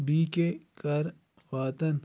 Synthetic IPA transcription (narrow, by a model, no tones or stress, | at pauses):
biːkekɐɾ | faːt̪ɐn